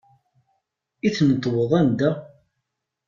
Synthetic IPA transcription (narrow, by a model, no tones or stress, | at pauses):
iθnət̪ˤːwəðˤænd̪æ